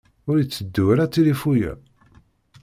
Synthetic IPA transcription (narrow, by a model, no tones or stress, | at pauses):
ʊɾjət͡sːəd̪ːuɾæt͡sːilifujæ̰